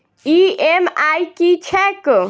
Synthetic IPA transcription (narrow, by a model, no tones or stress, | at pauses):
iemajkit͡ʃʰek